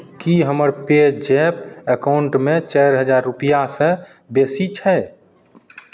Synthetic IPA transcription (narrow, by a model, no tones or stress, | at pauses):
kiɦəməɾped͡ʒepəkaʊɳʈmẽt͡ʃɛɪɾɦəd͡ʒaːɾːʊpijasẽ | besit͡ʃʰɛ